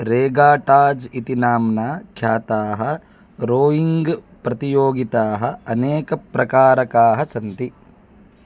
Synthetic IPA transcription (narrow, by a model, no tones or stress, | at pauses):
ɾeːɡaːʈaːd͡ʒit̪inaːmnaːkʰjaːt̪aːɦɐ | ɾoːjiŋɡ | pɾɐt̪ijoːɡit̪aːɦɐɐneːkɐpɾɐkaːɾɐkaːɦɐsɐnt̪i